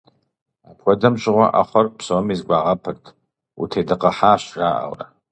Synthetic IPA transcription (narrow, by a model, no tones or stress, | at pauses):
apʰwʷadamt͡ʃʷʼʁʷa̰ʔa̰χʷɔrpʰsomizɡʷaʁapʰɨrtʰ | ṵtʰedɨqʼaħaːʃraʔa̰wra̰